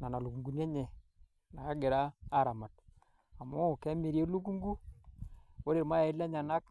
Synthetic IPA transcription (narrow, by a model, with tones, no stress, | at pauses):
na˨na˨lu˨ku˨ŋɡu˨nja˦ɲɛ˨ | na˨a˦ɡɪ˨ɾaː˦ɾa˨ma˨t̚ | a˨mʊ˦˨kɛ˦mi˨ɾje˦lu˦k̬u˦ŋɡu˦ | wo˦ɾe˨ɾma˦a˨ɪ˦la˦ɲa˨na˦k̚